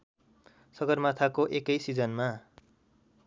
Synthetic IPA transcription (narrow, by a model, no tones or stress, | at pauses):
sʌɡʌrmat̪ʰakoʔekʌjsid͡zʌnma